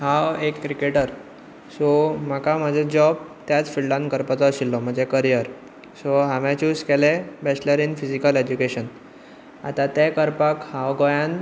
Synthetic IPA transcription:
ɦawekkɾikeʈəɾ | som̤akam̤əd͡zʱed͡ʑɔbt̪jat͡sfiɭɖãnkəɾpat͡s̪ɔəɕilːɔm̤əɳd͡zekəɾijəɾ | soɦaʋãt͡ɕuskɛlɛbɛt͡ɕləɾinfid͡ʑikəled͡ʑukeɕən | a̰t̪at̪ɛ̃kəɾpakhãwɡɔjãn

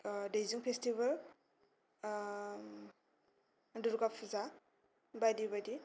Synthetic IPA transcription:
dejziŋpʰestibal | duɾɡapʰuza | bajdibadi

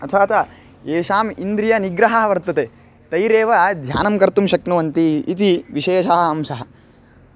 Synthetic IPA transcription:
ɐt̪ʰaːt͡ʃa | eːʃaːmind̪ɾijɐniɡɾɐɦɐɦɐʋɐɾt̪ɐt̪e | t̪ɐjɾeːʋɐd̪ʱja̰ːnɐmkɐɾt̪umʃɐknuʋɐnt̪iːt̪̬iʋiʃeːʃɐɦɐɐmʃɐɦɐ

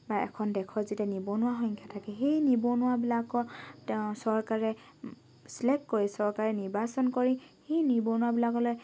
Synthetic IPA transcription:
baɛ̰kʰɔndɛkʰɔzitɛnibɔnʊwaxɔŋkʰjatʰakɛɦejnibonʊwabilakɔtsɔɹkaɹɛ | slɛkːoɹisɔɹkaɹɛniɹbasɔnkoɹihejniɹbonʊwabilakɔloj

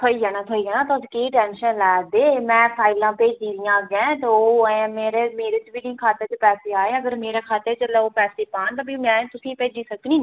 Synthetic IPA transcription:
t̪ʰoːiːɡɛːnãːt̪ʰoːiːɡɛːnãːt̪od͡ʒkeːʈɛːnʃənlɛːd̪eːmɛ̃ːpʰaːɪlãːpeːd͡ʒd̪iːd̪ijãːɡãːt̪eoːmeːɾeːmeːɾet͡ʃbiːnĩːkʰaːt̪eɾt͡ʃpɛːseːaːeːəɡəɾmeːɾeːkʰaːt̪et͡ʃəlɛoːpɛːseːpaːnt̪abimɛ̃ːt̪ʊsĩːpeːd͡ʒiːsəknĩː

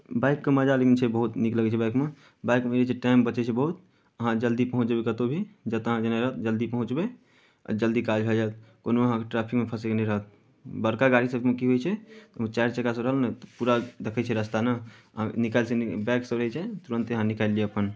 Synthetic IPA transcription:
baɪkːeməd͡ʒalekint͡ʃʰɛbəɦut̪nikləɡɛt͡ʃʰɛbajkme | baɪkmeeɾet͡ʃʰeʈaɪmbət͡ʃɛt͡ʃʰɛbəɦut̪ | əɦãd͡ʒəld̪ipəɦũt͡ʃbekət̪obʱid͡ʒət̪əɦãd͡ʒənaɾəɦət̪̚d͡ʒəld̪ipəɦũt͡ʃbḛ | d͡ʒəld̪ikad͡ʒɦəd͡ʒajt̪̚konoəɦãkeʈɾapʰikmepʰəsekenɛɾəɦət̪̚ | bəɾkaɡaɽisəbmekiɦojt͡ʃʰɛt̪t͡ʃajɾt͡ʃəkasəbɾəɦəlnt̪puɾad̪ekʰɛt͡ʃʰɛɾəst̪anəəɦãnikalsbɛksəbɾəɦɛt͡ʃʰɛt̪uɾənt̪eəɦãnikalːieəpən

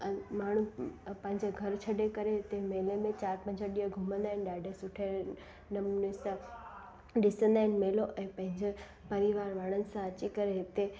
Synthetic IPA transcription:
maːɳ̤ũpɐ̃ɦɪ̃ɲd͡ʑeɡʱɐɾt͡ɕʰɐɗekɐɾeɦɪt̪emeːlemẽt͡ɕaːɾpɐ̃ɦɪ̃ɲd͡ʑəɗiːəɡʱʊmə̃nd̪aːɦɪn̆ɗaːɖʱesʊʈʰe | nɐmnisã | ɗɪsə̃nd̪aːɪnɪ̆meːloʔɛ̃ːpɐ̃ɦɪ̃ɲd͡ʑe | pɐɾiʋaːɾʋaːɽ̃ənɪ̆sãɐt͡ɕikɐɾeɦɪt̪e

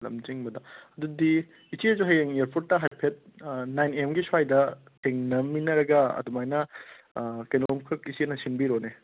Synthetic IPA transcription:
lɐ̰md͡ʒiŋbɐdɐɐd̪udi | isiɐzuɦɐjeŋeɾpʰuɾtːɐɦajpʰet̚najnemɡisuajdɐ | tʰeŋnɐminɐɾɐɡɐɐ̰dumajnɐ | kenomkʰɯkisienɐsinbiɾone

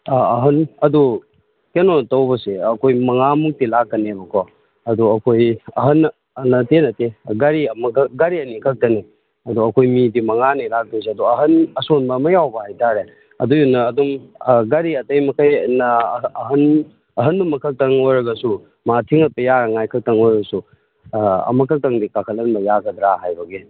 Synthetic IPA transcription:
aɐɦɐnɐdu | kenɔtɐwbɐseɐkʰojmɐŋamuk̚tilak̚ːɐnebɐkʰɔ | ɐduɐkʰojɐɦɐnː | nɐtenɐteɡɐɾiɐmɐkɡɐɾiɐnikʰɐk̚tɐni | ɐduɐkʰojmidimɐŋanilak̚dos̬eɐduɐɦɐnɐsonbɐːmɐjawbɐhajtʰaɾe | ɐ̰dujunːɐːdumɡɐɾiɐtɐjmɐkʰɐjnɐɦɐn | ɐɦɐnːumɐkʰɐk̚tɐŋojɾɐɡɐsu | matʰiŋɐt̚pɐjaɾɐŋajkʰɐk̚tɐŋojɾɐɡɐsu | ɐ̰mɐkʰɐk̚tɐŋdikakʰɐlɐnbɐjakʰɐd̪ɾaɦajbɐɡi

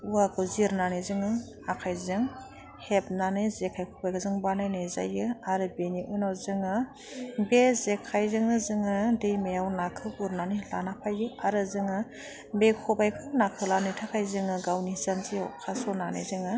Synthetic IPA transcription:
uaɡɔziɾnanɯzɯŋɯ | akʰajzɯŋ | hep̚nanɯjzekʰajkʰɔbajkʰɯzɯŋbanajnɯza̰jɯaɾɯbeniʔɯnɔzɯŋɯ | bezekʰajzɯŋɯzɯŋɯdɯjmejawnakʰɯbuɾnanɯla̰napʰajɯaɾɯzɯŋɯ | bekʰɔbajkʰɯnakʰɯlanɯjtʰakʰajzɯŋɯɡawnizanziawkʰasɔnanɯ̰zɯŋɯ

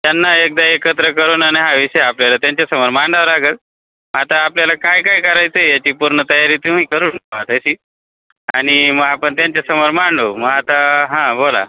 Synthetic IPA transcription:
t̪janːaek̚d̪aekət̪ɾəkəɾuːnaɽ̃iɦaʋiɕəjeapljalat̪jaɲt͡ɕjasəməɾmaɳɖaʋəɾaɡət̪̚ | mat̪aːpljalakajkaikəɾajt̪ejat͡ɕiːpuɾɳət̪əjaɾiːt̪um̤iːkəɾuːnat̪əɕiː | a̰ɽ̃iməɡapəɳt̪jaɲt͡ɕjasəməɾmaɳɖoməɡat̪aɦãbola̰

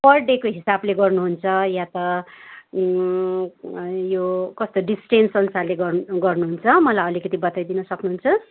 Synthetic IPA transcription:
pʰʌrɖekoɦisableɡʌrnuɦunt͡sʰʌjat̪ʌ | jokʌst̪oɖisʈensʌnsaleɡʌrɡʌrnuɦunt͡sʰʌmʌlajʌlikʌt̪ibʌt̪ajd̪inʌsʌknuɦunt͡sʰʌ

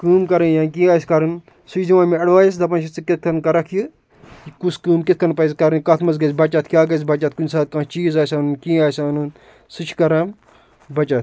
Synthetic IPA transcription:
kɨːmkɐɾɐjãːnk̬ʲĩːaːjskɐɾɐn | sut͡ʃʰd̪iʋaːmiɐɽʋaːjis̬d̪ɐp̬ɐnt͡ʃit͡sɨkʲit̪̚ʰkʰɐnkɐɾɐkʰji | jikuskɨːmkit̪̚ʰkʰɐnpɐjskɐɾɐnkɐt̪ʰmɐzɡɐsbɐt͡ʃat̪ʰkʲjaːɡɐs̬bɐt͡ʃat̪̚kunʲsaːt̪̚kãːt͡ʃiːzaːsʲanɨnkĩːaːjsʲaːnɨn | sɨt͡ʃʰkɐɾaːm | bɐt͡ʃat̪

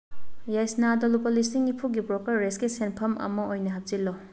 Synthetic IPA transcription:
jajsnadolupɐlisiŋipʰuɡipɾɔkɐɾːeskisenpʰɐmʔɐ̰mɐojnɐɦɐp̚zilːɔ

